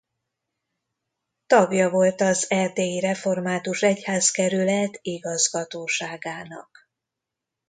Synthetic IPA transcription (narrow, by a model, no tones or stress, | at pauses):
t̪ɒɡjɒvo̞lt̪ɒzɛrd̪eːjiɾɛfo̞rmaːt̪uʃɛchaːzkɛɾylɛt̪iɡɒzɡɒt̪oːʃaːɡaːnɒ̰k